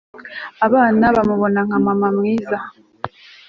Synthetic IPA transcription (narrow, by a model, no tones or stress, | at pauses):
aβaːnaβamuβo̞naŋ̥amamamŋiːza